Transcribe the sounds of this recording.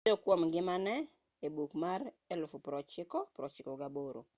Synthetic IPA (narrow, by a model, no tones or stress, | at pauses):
okwɔmɡɪmanɛ | ebukmaɾ | ɛlfupɾɔt͡ʃɪkɔpɾɔt͡ʃɪkɔɡaboɾo̰